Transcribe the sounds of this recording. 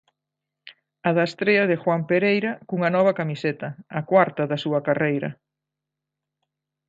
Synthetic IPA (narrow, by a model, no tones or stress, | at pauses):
ɐðɐest̪ɾeɐð̞ɪxwampeɾejɾɐkuŋɐnɔβ̞ɐkamiset̪ɐːkwaɾt̪ɐðɐsuɐkarejɾɐ̰